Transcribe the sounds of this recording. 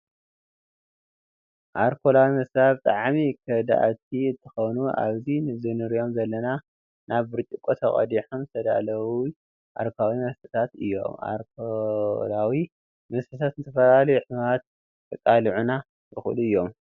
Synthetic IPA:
ʔaɾkʰolawimɐsaβt̪ʼaʕmikʰɐd̪a̰ʔt̪ʰiɨnt̪ʰɨ̥xɐwnua̰βzinɨzɨnɨɾijo̞mzɐlːɐna | naβbɨɾt͡ʃʼikʼot̪ʰɐχʼɐ̰d̪iħumt̪ʰɐd̪a̰lɐwi | ʔa̰ɾkʰawimɐsħɨ̥t̪ʰat̪ɨjːo̞̰ma̰ɾkʰolawi | mɐzħɨt̪ʰat̪ɨnt̪ʰɐfɐlalɐjuħɨβɾat̪̚ːʰ | ɐkʼaliʕuna | tʼɨxɨ̰luɨjːo̞m

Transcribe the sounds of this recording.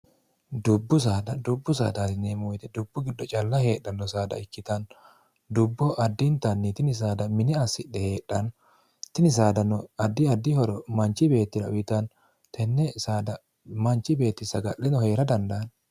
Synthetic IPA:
d̪ʊbːʊs̬aːd̪ɐd̪ʊbːʊsa̰ːd̪aːt̪ɪnːɛmʊjt̪ɛd̪ʊbːʊɡɪd̪ːɔt͡ʃʼɐlːɐhe̞ːɗːɐnːɔsaːd̪ɐ̰ɪkːɪt̪ɐn | d̪ʊbːɔʔɐd̪ːɪnt̪ɐnːɪt̪ɪnɪs̬aːd̪ɐmɪnɪɐsːɪɗɛhe̞ːɗːɐn | t̪ɪnɪs̬aːd̪ɐnɔɐd̪ːɪɐd̪ːɪhɔɾɔmɐnt͡ʃːɪbe̞ːt̪ːɪɾɐ̰ʊjɪt̪ɐn | t̪ɛnːɛsaːd̪ɐ | mɐnt͡ʃːɪbe̞ːt̪ːɪsɐɡɐʔɛnɔheːɾɐd̪ɐnd̪ɐːn

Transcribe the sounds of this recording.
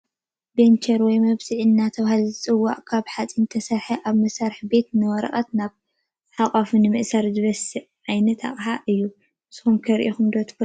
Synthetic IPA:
bent͡ʃʰɐɾwɔjmɐβziʕɨnːat̪ʰɐβahalzɨt͡sʼɨwːa̰ʔʼkʰaβħat͡sʼint̪ʰɐsɐɾħɐʔaβmɐsaɾɨħbe̞t̪nɨwɔɾɐ̰χʼɐt̪naβ | ħaqʼafunɨmɨʔsaɾzɨβɐsɨʕʕajnɐt̪ʰa̰χʼħaʔɨjːu | sɨ̥xumkʰɐɾʔixumd̪ot̪ʰk

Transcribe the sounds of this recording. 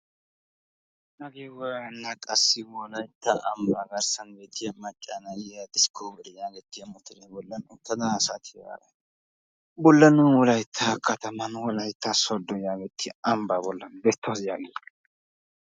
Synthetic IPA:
nɐɡewɔɾɐnːakʼɐsːɪwɔlɐjt̪ʰːɐʔɐmbaɡɐɾsɐnɡeːt̪ːɪmɐt͡ʃʼːanɐjad̪ɪskʰobɪɾjaːɡɛt̪ːɪjɐmʊt̪ʰːɪɾebɔlːɐnʊt̪ːɐd̪ɐsat̪ʰɪja̰ːɡɐ | bɔlːɐnʊwɔlɐjt̪ʰːakʰɐt̪ɐmɐnwɔlɐjt̪ːasɔd̪ːɔjaːɡɛt̪ʰːɪɐmbabɔlːɐnbet̪ʰːɐsjaːɡe

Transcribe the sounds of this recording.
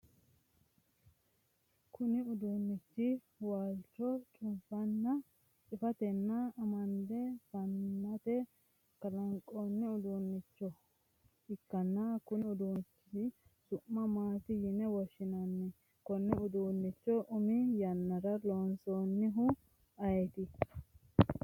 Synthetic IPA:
kʰʊnɪʊd̪uːnːɪt͡ʃːɪ | waːlt͡ʃːɔt͡ʃʼʊmfɐnːɐ | t͡ʃʼɪfɐt̪ɛnːɐːmɐnd̪ɛfɐnːɐt̪ɛ | kɐlɐŋkʼːonːɛʊd̪uːnːɪt͡ʃːɔ | ɪkːɐnːɐkʊnɪʊd̪uːt͡ʃːɪɪsʊʔːɐmaːt̪ɪjɪnɛwɔʃːɪnɐnːɛ | kɔnːɛʊd̪uːnːɪt͡ʃːɔʔʊmɪjɐnːɐɾɐloːnsoːnːɪɦʊ | ɐjɛt̪ɪ

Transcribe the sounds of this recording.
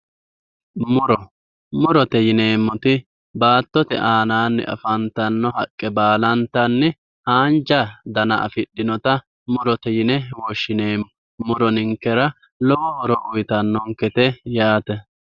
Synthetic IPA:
mʊɾɔ | mʊɾɔt̪ɛjɪneːmːɔt̪ɪ | baːt̪ːɔt̪ɛ̰ʔaːnaːnːɛ̰ʔɐ̰fɐnt̪ɐnːɔɦɐkʼːɛbaːlɐnt̪ɐnːɛ | haːnd͡ʒɐd̪ɐnɐ̰ʔɐ̰fɪɗːɪnɔt̪ɐ | mʊɾɔt̪ɛjɪnɛwɔʃːɪneːmːɔ | mʊɾɔnɪŋkːɛɾɐ | lɔwɔɔɾɔʔʊjt̪ɐnːɔŋkɛt̪ɛjaːt̪ɛ

